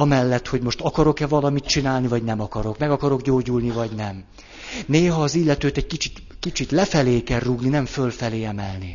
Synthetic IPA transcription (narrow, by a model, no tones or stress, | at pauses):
ɒmɛlːɛt̪ho̞ɟmo̞ʃt̪ɒkɒɾo̞kɛvɒlɒmit̪t͡ʃinaːlnivɒɟnɛmɒkɒɾo̞kmɛɡɒkɒɾo̞ɡɟoːɟulnivɒɟnɛm | neːɦɒːzilːɛt̪øːt̪ɛɟ̚kit͡ʃit̪kit͡ʃit̪lɛfɛleːkɛrruɡninɛɱfølfɛleːɛmɛlni